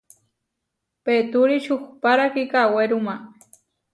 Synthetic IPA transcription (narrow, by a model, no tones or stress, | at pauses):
pet̪ʊɾiʃʊxpaɾakikaweɾʊma